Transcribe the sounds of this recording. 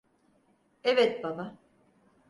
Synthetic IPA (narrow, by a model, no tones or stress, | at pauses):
evɛt̪̚bama